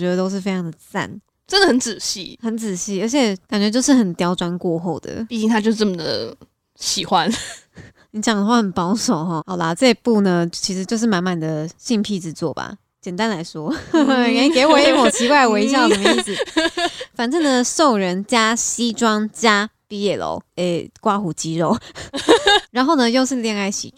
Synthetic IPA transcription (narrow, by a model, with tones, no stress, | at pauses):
t͡ɕɥɛ˧˥d̪ə˧t̪o˥ʊʂɻ̩˥˩fe˥ɪʈ͡ʂʰɑ˧ŋd̪ə˨˩t͡sa̰˥˨˩n | ʈ͡ʂə˦nd̪ə˨hə˨˦nt͡sɹ̩˨˩ɕḭ˥˩xə˧˦nt͡sɹ̩˨˩ɕi˥˩ə˞˧˥t͡ɕʰjɛ˨˩˦ka˨˩nt͡ɕɥɛ˧˥t͡ɕjo˥˧ʊʂ̬ɻ̩˥˩xə˨˩nt̪jɑ˥ʊʈ͡ʂwa˥˦nkwɔ˥˧xo˥˩ʊd̪ə̰˩i˥˩t͡ɕi˥˧ŋt̪ʰa˥t͡ɕjo˥˧ʊʂt͡sə˥˩mə˨˩d̪ə̰˩ | ɕi˨˩xwa˦n | ni˧˥t͡ɕjɑ˨˩ŋd̪ə˩˦xwa˥˩xə˨˩npɑ˥ʊʂo˨˩ʊxɔ˥˧xɑ˨˩ʊlə˦ʈ͡ʂɤ˥˧i˧˥pu˥˩nə˩t͡ɕʰi˧˥ʂɻ̩˧˥t͡ɕjo˥˧ʊʂ̬ɻ̩˥˩ma˧˥nma˨˩nd̪ə˩ɕi˥˧npʰi˥˧t͡sɻ̩˥˧t͡swɔ̰˥˩ba̰˩ | t͡ɕjɛ˨˩nt̪a˥˦nla˧˥ɪʂwɔ˥˨˥ | ke˧˥ɪwɔ˨˩i˥mwɔ˨˩t͡ɕʰi˧˥kwa˥˩ɪ˨˩we˧˥ɪ˦ɕ̬jɑ˥˩ʊ˥ə˨˩mə˦i˥˩sɹ̩ɨ˨˩fa˨˩nt͡sə˥˩nə˨so˥˩ʊɻə˨˦nt͡ɕja˥ɕi˦ʈ͡ʂwɑ˥ŋt͡ɕja˥pi˧jɛ˥˩lo̰˨˦ʊe˥˩ɪkwa˥xu˨˩t͡ɕi˧˥ɻo˥˩ʊ | ɻa˧˦nxo˥˩ʊnə˧jo˥˧ʊʂɻ̩˥˧ljɛ˥˧ŋa˥˩ɪɕḭ˨˩